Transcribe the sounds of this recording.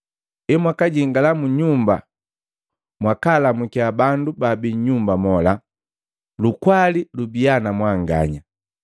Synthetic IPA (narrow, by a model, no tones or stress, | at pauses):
ɛmwakaɟiŋɡalamuɲumba̰ | mwakalamukiabandubabiɲɲumbamɔla | lukwalilubianamwaŋɡa̰ɲa